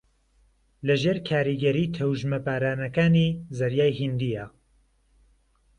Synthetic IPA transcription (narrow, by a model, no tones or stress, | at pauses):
lɐʒeːɾkʰaːɾiɡɛɾiːt̪ʰɐwʒmɐpaːɾaːnɐkaːniːzɐɾjaːjhind̪ija